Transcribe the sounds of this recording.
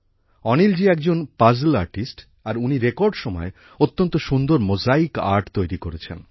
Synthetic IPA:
ɔnild͡ʑiɛkd͡ʑonpazlaɾʈisʈ | aɾuniɾekoɾɖʃɔmɔe | ot̪ːont̪oʃund̪oɾmod͡ʑaika̰ɾʈt̪ojɾikoɾet͡ɕʰḛn

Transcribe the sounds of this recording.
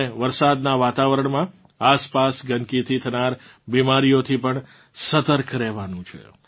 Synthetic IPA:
eʋəɾsad̪naʋat̪aʋəɾəɳmã | aspasɡənkit̪ʰit̪ʰənaɾbimaɾijot̪ʰipəɳ | sət̪əɾkʰɾeʋanũt͡ʃʰḛ

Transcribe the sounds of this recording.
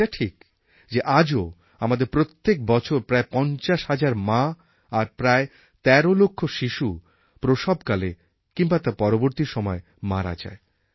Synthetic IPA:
aʈʰik | d͡ʑeʔad͡ʑo | amad̪eɾpɾot̪ːek̚bɔt͡ɕʰoɾpɾaepɔnt͡ɕaʃhad͡ʑaɾmã | aɾpɾae | t̪ɛɾolokʰːoʃiʃu | pɾoʃɔbkale | kimbat̪aɾpɔɾoboɾt̪iɾʃɔmɔe | ma̰ɾa̰d͡ʑa̰e

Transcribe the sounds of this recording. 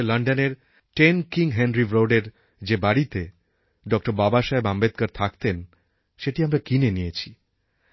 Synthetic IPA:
lʌɳɖoneɾ | ʈenkiŋɦɛnɾibɾoɖeɾ | d͡ʑebaɽit̪e | ɖɔk̚ʈoɾbabaʃaebambet̪̚kaɾt̪ʰakt̪en | ʃeʈiamɾakinenijet͡ɕʰi̥

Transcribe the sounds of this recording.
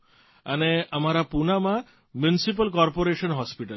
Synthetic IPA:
aneam̤aɾapunama | mjunisip̬alkɔɾpoɾeʃɔnɦɔspiʈal

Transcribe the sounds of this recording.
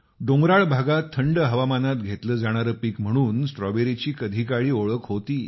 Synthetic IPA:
ɖõŋɡɾaɭbʱaɡat̪ʰːəɳɖəɦəʋamanat̪ɡʱet̪ləːd͡zaɽ̃aɾəːpiːkm̤əɽ̃uːnsʈɾɔʋeɾit͡ɕiːkəd̪ʱikaɭiːoɭəkɦot̪iː

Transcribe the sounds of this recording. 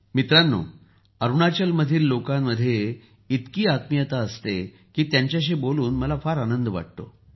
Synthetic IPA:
mit̪ɾanːo̰ː | əɾuɳat͡ɕəlməd̪ʱiːlːokamːəd̪ʱːje | it̪kiːat̪mijət̪aəst̪e | kiːt̪jaɲt͡ɕjaɕ̬iːboluːnməlafaɾanənd̪ʋa̰ʈ̚t̪o̰

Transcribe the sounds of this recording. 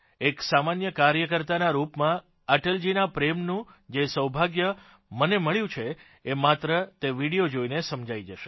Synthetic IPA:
eksamanjəkaɾjəkəɾt̪anaɾupmã | əʈəld͡ʒinapɾemnũd͡ʒesəwbʱaɡjə | məneməɭjũt͡ʃʰeː | mat̪ɾət̪eʋiɽijod͡ʒoinesəmd͡ʒaid͡ʒəʃe

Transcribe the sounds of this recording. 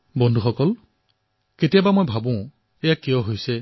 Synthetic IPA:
bɔndʱuxɔkɔl | ketijabamojbʱabʊ̃ | ejakijɔɦojsɛ

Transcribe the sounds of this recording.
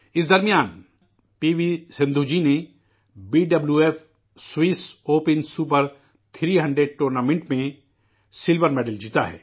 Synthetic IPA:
ɪsd̪ɐɾmijaːn | piːʋisɪ̃nd̪ʱud͡ʒine | biːɖɐbljuːeːf | swiːsoːpɪnsupəɾ | t̪ʰɾiːɦɐ̃ɳɖɾeɖ̚ʈuːɾnaːmẽɳʈmẽ | sɪlʋəɾmeːɖəld͡ʒiːt̪a̰ɦɛ̰ː

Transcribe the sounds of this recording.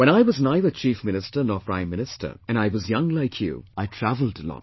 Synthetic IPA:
wɛ̃ɾ̃aɪwʌznaɪðət͡ʃʰifmɪnɪstə˞nɔːpʰɹ̥ãɪ̃mːɪnɨstʰə̰˞ɨ̃naɪwʌzjʌ̃ŋlaɪkʰjṵaɪtʰɹ̥ævəl̩ˠdəlɔ̰̃t

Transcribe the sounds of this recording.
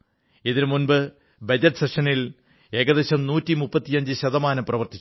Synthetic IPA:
iðinmunbɨ | bɐd͡ʑɐʈːɨ̥seʂɐnil | eːɣɐðeɕɐmnuːtːimupːɐt̪ːijɐɲd͡ʑɨɕɐðɐmaːnɐmprɐʋɐrt̪i̥t͡ɕː

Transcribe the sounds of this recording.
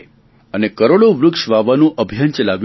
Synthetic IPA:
ənekəɾoɽoʋɾʊkʃʋaʋanũʔəbʱjant͡ʃəlaʋj

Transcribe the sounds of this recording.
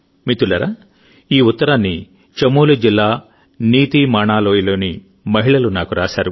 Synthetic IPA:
mit̪ulɐɾa | iːut̪ːɐɾaːnːi | t͡ʃɐmoːlud͡ʒilːaː | niːt̪imaːɳaːlo̞ːjilo̞ːni | mɐɦiɭɐlunaːkuɾaːʃaːɾu

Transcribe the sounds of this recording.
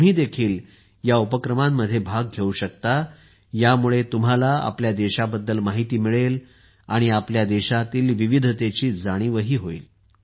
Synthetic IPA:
m̤iːd̪ekʰiːl | jaupəkɾəmamːəd̪ʱːjebʱaɡɡʱeuɕəkt̪a | jamuɭet̪um̤alaa̰pljad̪eɕabəd̪ːəlmaɦit̪iːmiɭel | aɽ̃iapljad̪ɛɕat̪iːlʋiʋid̪ʱt̪et͡ɕiːd͡zaɽ̃iːʋəɦiːɦoḭːl

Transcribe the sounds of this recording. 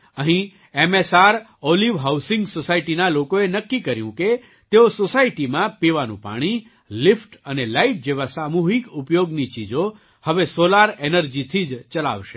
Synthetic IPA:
əɦĩ | emesaɾ | oliʋɦawsɪ̃ŋɡsosaiʈinalokoenəkːikəɾjũke | t̪eososaiʈimãpiʋanṵ̃pa̰ɽ̃i | lifʈənelaiʈ̚d͡ʒeʋasamuɦikʊpjoɡnit͡ʃid͡ʒo | həʋesolaɾenəɾd͡ʒit̪ʰid͡ʒt͡ʃəla̰ʋʃe

